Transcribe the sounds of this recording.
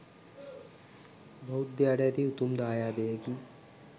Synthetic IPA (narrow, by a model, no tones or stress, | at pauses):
bʱɐud̪jaːɽjat̪iut̪umd̪aːjaːd̪eːɐki